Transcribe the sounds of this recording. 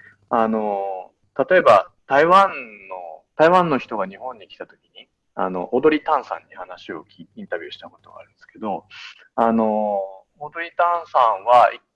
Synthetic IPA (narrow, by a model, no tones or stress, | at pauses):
ano̞ | t̪at̪o̞e̞bat̪aiβãnːo̞t̪aiβãnːo̞çi̥t̪o̞ɡaɲ̟iɦõ̞ɲ̟ːikʲi̥t̪at̪o̞kʲiɲ̟i | a̰no̞̰ʔod̪o̞ɾʲit̪ãɰ̃sã̰ɲ̟ːihanaɕio̞kʲiĩnt̪abʲiɨːɕi̥t̪ako̞t̪o̞ɡa̰ɾɯ̟̃nd̪esɨ̥ke̞d̪o̞ | ano̞ | od̪o̞ɾʲit̪ãɰ̃sãɰ̃βai